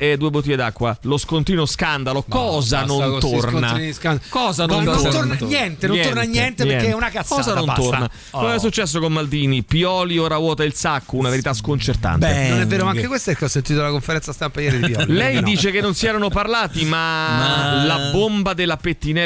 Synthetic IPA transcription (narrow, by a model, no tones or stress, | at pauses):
ɛd̪uːebot̪̬ːied̪akːwaloskont̪iːnoskand̪alokɔːzanonnt̪ornnanskakɔːzanont̪onɲjɛnt̪enõnɛt̪ornanjɛnt̪eeɾɛkeɛunakakːɔːzanontt̪orna | kɛs̬ːut͡ʃːɛs̬ːokomːald̪iːnipiɔːlioːɾavwɔːt̪ailsakːounaveɾit̪askont͡ʃert̪a̰nb̪ennonɛveːɾomaakkekwest̪opeɾkeɔsːent̪iːt̪olakoɱfeɾɛnt̪sast̪ampajɛɾid̪piɔlilɛjjnd̪iːt͡ʃekenːonsiɛɾanoparlaːt̪ima | labombad̪elːapet̪ːinɛ